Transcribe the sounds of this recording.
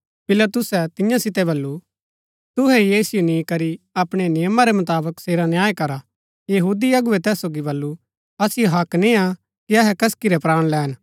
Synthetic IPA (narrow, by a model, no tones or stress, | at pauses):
pɪlat̪ʊsɛt̪ɪjãsɪt̪ɛbɐlːu | t̪ʊɦɛjeːsɪjonĩkɐɾiɐpɽ̃enɪjəmaɾɛmɐt̪aːbəkseːɾanjaːekɐɾa | jɐɦuːd̪iɐɡʊɛt̪ɛːsːoːɡibɐlːu | ɐsɪjoɦɐknĩa | kiɐɦɛkɐskiɾɛpɾaːɽ̃lɛːn